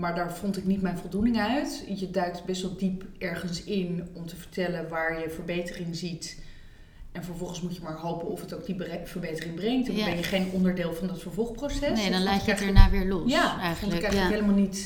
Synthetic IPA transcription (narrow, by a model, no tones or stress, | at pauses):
maːɹdaːɹvɔntɪknitmɛjnvɔlˠdunɪŋœɥtjədœɥk̚tbɛstʋɛlˠdipɛɹχənsɪnɔmtəvəɹtɛlənʋaːɹjəvəɹbejtərɪŋzit | ɛnvəɹvɔlˠχənsmucjəmaːɹɦowpənɔfətowk̚dibvəɹbejtərɪŋbrɛŋtnbɛnjəχejnɔndəɹdeːlˠvɑndɑtfəɹvɔlˠχprosɛnsdnlaːdɛnaːʋɪːɹlɔjaːɛfɔntkɛjələɦeɪləmalˠnit